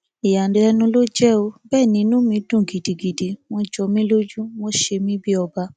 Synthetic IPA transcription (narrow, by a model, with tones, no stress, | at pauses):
i˨ja˨dɛ˨˧ɛ˧˦nũ˧˦lo˦d͡ʒɛ˦o˧bɛː˦˨nĩ˨˧˦nũ˦mĩ˧dũ˦˨ɡi˨di˨ɡi˨di˨mɔ˧d͡ʒɔ˧mĩ˦lo˦d͡ʒũ˦mo˧˦ʃe˧mĩ˦bi˦ɔ˧ba˧